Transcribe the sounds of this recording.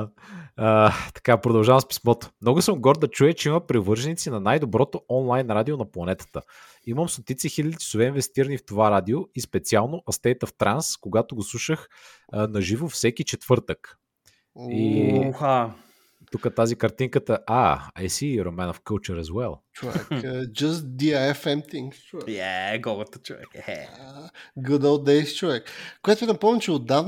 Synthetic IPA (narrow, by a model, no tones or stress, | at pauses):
t̪ɐ̥kapɾod̪ɐlˠʒavɐmspi̥smɔt̪o̥mnɔɡʊsəmɡɔɾd̪d̪ɐt͡ʃujət͡ʃɛiməpɾɛvɤɾʒɛnit̪sinɐnajd̪obɾɔt̪oɔnlˠajnɾad̪ionɐplˠɐnɛt̪ə̥t̪ə | iməmst̪ot̪it̪sixilʲəd̪ii̥sovɛinvɛst̪iɾənift̪ovaɾad̪ioispɛt̪sialˠnoʔɐst̪ɛjt̪əft̪ɾanskoɡat̪oɡoslˠuʃəx | nɐʒivofsɛkit͡ʃɛt̪vɤɾt̪ək | ixa | t̪ukət̪azikɐɾt̪iŋkət̪əʔa̰a̰jsiɾomɛnofkəlˠt͡ʃəɾɐzwɛlˠt͡ʃovɛ̰kd͡ʒɐst̪̚d̪iaɛfɛmt̪ĩŋkst͡ʃoɛjɛɡɔɡɐt̪ət͡ʃovɛ̰khɛ̰ | ɡʊd̪olˠd̪ɛɪst͡ʃʊvɛkkːʊjɛt̪ʊɛd̪ɐpɔmʲmt͡ʃɛʊd̪av